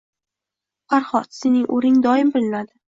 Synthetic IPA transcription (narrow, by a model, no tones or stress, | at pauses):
faɾχɒt̪se̞nɪŋʔoɾɪŋd̪ɒɪmbɪlɪnad̪ɪ